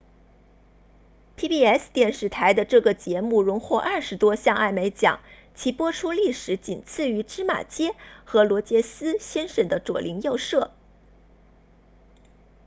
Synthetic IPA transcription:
p̪ʰi˥pi˥˧ɛ˥˩st̪jɛ˥˧nʂɻ̩˥˩t̪ʰa˧˥ɪd̪ə˧ʈ͡ʂɤ˥˩ɡə˩t͡ɕjɛ˧˥mu˥˩ɻʊ˧˥ŋxwɔ˥˧ʔɐ˥˩ʂɻ̩˧˥t̪wɔ˥ɕjɑ˥˧ŋa˥˩ɪme˧˥ɪt͡ɕjɑ̰˨˩˦ŋ | t͡ɕʰi˧˥pwɔ˥ʈ͡ʂʰu˥li˥˩ʂɻ̩˧˥t͡ɕi˨˩nt͡sʰɹ̩˥˩y˧˥ʈ͡ʂɻ̩˥ma̰˨˩t͡ɕjɛ˥xɤ˧˥lwɔ˧˥t͡ɕjɛ˥sɹ̩˥ɕjɛ˥nʂə˨˩nd̪ə˦ʈ͡ʂwɔ̰˨˩lʔi˧˥ŋjo˥˧ʊʂɤ˥˩

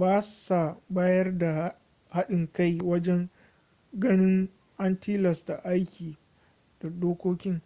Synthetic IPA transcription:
baː˦sa˨baː˦jɐ˦rda˨h | ha˦ɗɪ˨ŋka˦˨jwɐ˦d͡ʒɛ˦ŋ | ɡɐ˦nɪ˦ŋ | ʔa˦ntiː˦lɐ˨sta˨ʔa˦jkʲiː˨ | d̥a˨doː˦kʷoː˦kʲɪ˦ŋ

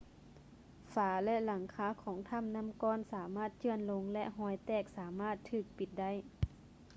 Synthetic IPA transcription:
faː˨˩˦lɛ˧la˨˩˦ŋkʰaː˨˦kʰɔː˩˦ŋt̪ʰa˧˥˨mna˧˥˨mkɔː˧˥˨nsaː˩˦maː˧˥˩t̪̚t͡ɕɯ˧˩ənlo˧˥ŋlɛ˧ʔɦɔː˧˩jt̪ɛː˧˩k̚saː˩˦maː˥˨t̪ʰːɯː˧˩k̚pi˨˧˦t̪̚da˥˨j

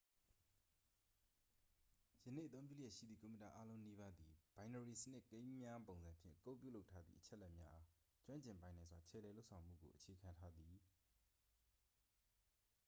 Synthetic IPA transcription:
jə˨nḛ˦˨ət̪θõ˦ʊ̃mpjṵ˦˨jɛ˦˨ʃḭ˦˨d̪ðḭ˦˨ko˨mə˨ta˨ʔa˦lõ˦ʊ̃ni˦βa˦d̪i˨b̥ã˨ɪ̃ndə˨ɹi˨sənɪ˦ʔkẽ˦ɪ̃mmja˦põ˨ʊ̃nzã˨mpʰjɪ̰̃˦˨kõ˦˨pjṵ˦˨lo˦ʊtʰːa˦d̪ðḭ˦ʔət͡ɕʰɛ˦ʔlɛ˦ʔmja̰˦ʔa˦ | t͡ɕwã˦ɲt͡ɕɪ̃˨mpã˨ɪ̃nã˨zwa˨t͡ɕʰɛ̰˦˨lɛ˨lo˦ʔsʰã˨ʊ̃m̥ṵ˦˨ɡo̰˨ʔət͡ɕʰe˨kʰã˨ntʰa˦d̪i˨

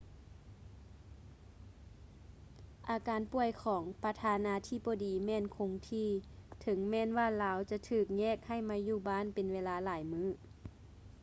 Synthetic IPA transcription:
ʔaː˨˧kaː˨˦npu˧˩əjkʰɔː˩˦ŋpa˧t̪ʰaː˧naː˧˥t̪ʰiː˧˥˩boː˧˦diː˨˦mɛː˧˥˨nkʰo˨˦ŋt̪ʰiː˧˥˨t̪ʰɤ˨˩˦ŋmɛː˧˥˨nwaː˧˥˨laː˨˧˥wt͡ɕa˧t̪ʰɯː˧˩k̚ɲɛː˧˥˩k̚ha˧˩jmaː˧˥juː˧˩baː˧˥˨npe˨nweː˧˥laː˧˥laː˨˩˦jmɯː˧˥˩

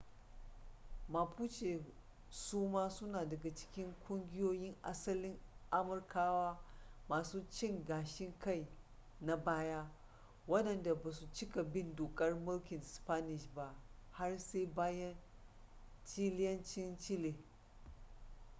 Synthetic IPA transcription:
ma˨puː˦t͡ʃe˨ | suː˦maː˦sʊ˦naː˨dɐ˨ɡa˨t͡ʃɪ̥˦kʲɪ˦ŋkʷʼʊ˦ŋɡʲɪ˦joː˦jɪ˦ŋʔa̰˦sɐ˦lɪ˦ŋʔa˦mʊ˨rkaː˦waː˦maː˨suː˦t͡ʃɪ˦ŋɡaː˨ʃɪ˦ŋka˦˨j | na˨baː˦jaː˦ | wɐ˦dɐ˨nda˨baː˨su˨t͡ʃɪ˦ka˨bɪ˦ndoː˨kʼɐ˦rmʊ˦lkʲɪ˨nspa˦nɪ˨ʃba˦˨ʔha˦rse˦jbaː˦jɐ˦n | t͡ʃiː˦lɪ˦jɐ˦nt͡ʃɪ˦nt͡ʃɪ˦le˨

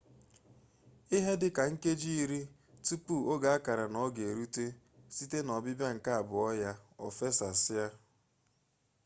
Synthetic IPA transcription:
i˦ɦe˦dɪ˦ka˨ŋ̩˦ke˦d͡ʒi˦i˦ɾi˦ | tu˦pu˦˨o˦ɡa˨a˦ka˨ɾa˨nɔ˨ɡe˨ɾu˦te˦ | si˦te˦nɔ˨bɪ˦bja˦ŋ̩˨ka˦a˨bʊ˨ɔ˦ja˦ɔ̰˨fe˦sa˨sɪ˦ja˦

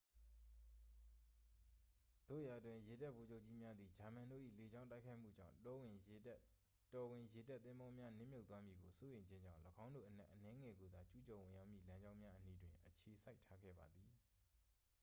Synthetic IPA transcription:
d̪̥o̰˦˨ja˨dwɪ̃˨je˨da˦ʔbo˨d͡ʑo˦ʊt͡ɕːi˦mja˦d̪ði˨d͡ʑa˨mã˨ndo̰˦˨ʔḭ˦˨le˨d͡ʑã˦ʊ̃nta˦ɪkʰa˦ɪʔm̥ṵ˦˨d͡ʑã̰˦˨ | tɔ˨wɪ̃˨je˨da˦t̪ːɪ̃˦mbɔ˦mja˦nɪ̰̃˦˨mjo˦t̪ːwa˦mji˨ɡo˨so˦jẽ˨ɲd͡ʑɪ̃˦ɲd͡ʑã̰˦˨ʊ̃ləɡã˦ʊ̃ndo̰˦˨ʔən̥ɛ̰˦ʔənɛ˦ŋɛ˨ɡo˨d̪a˦t͡ɕu˦t͡ɕɔ˨wɪ̃˨ja˦ʊʔmjḭ˦˨lã˦ɲd͡ʑã˦ʊ̃mja˦ʔəni˦dwɪ̃˨ʔət͡ɕʰe˨sʰa˦ɪtʰːa˦ɡɛ̰˦˨ba˨d̪ði˨

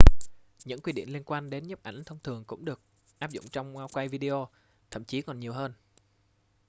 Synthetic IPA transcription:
ɲɨ̰˧˥ŋkwi˧ɗḭ˧˩ənli˧ənkwaː˧nɗe˨˦nɲə˦˥p̚ʔa˧˩ŋ̟t̪ʰə˧wŋ͡mt̪ʰɨ˨˩əŋkʊ̰˧˥ŋ͡mɗɨ˨˩ək̚ | ʔaː˦˥p̚zʊ̰˧˨ŋ͡mt͡ɕɔ˧wŋ͡mŋwaː˧wkwa˧jvi˧ɗi˧ʔo˧ | t̪ʰə̰˧˩˨mt͡ɕi˨˦kɔ˨˩nɲi˨˩əwɦəː˧n

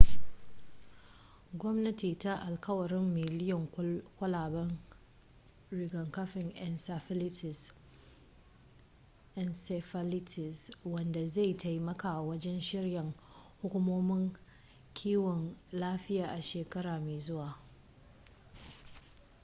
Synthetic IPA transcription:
ɡʷɔ˦mnɐ˦tiː˨ta˦ʔa˨lkɐ˦wɐ˨ɾɪ˦mːɪ˨lɪ˦jɔ˨ŋkʷɐ˦laː˨bɐ˦n | ɾɪ˨ɡɐ˨ŋkɐ˦ɸɪ˨ŋʔɛ˨nsɐ˨ɪ˦lɪ˦ɪ˨s | ʔɛ˨nsɛ˨fɐ˦lɪ˦tʰɪ˨swɐ˨nda˨za˦˨jta˨jmɐ˦ka˨wɐ˦d͡ʒɛ˦nʃɪ˦ɾjɐ˨ŋ | hʊ˦kʷʊ˦moː˦mɪ˦ŋ | kʲʰiː˦wɔ˨nlaː˦ɸɪ˦jaː˨ʔa˨ʃeː˨kɐ˦ɾaː˨meː˨zʊ˦waː˨

